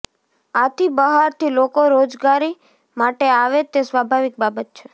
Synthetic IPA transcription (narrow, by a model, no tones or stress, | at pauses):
at̪ibəɦaɾt̪ʰilokoɾod͡ʒɡaɾi | maʈeaʋet̪esʋabʱaʋik̚babət̪̚t͡ʃʰe